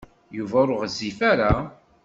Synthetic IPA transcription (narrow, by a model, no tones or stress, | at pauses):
juvæʊɾʊʁzːifaɾa